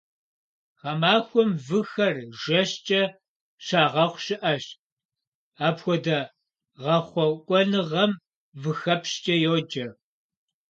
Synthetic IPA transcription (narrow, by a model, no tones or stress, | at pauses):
ʁɐmaːxʷɔmvɨxɐrʒɐɕt͡ʃʼɐ | ʃaːʁɐχʷɕɪʔɐɕ | aːpxʷɔdɐ | ʁɐχʷɔkʷʼɔnɨʁɐm | vɨxɐpʰɕt͡ʃʼɐjoːd͡ʒɐ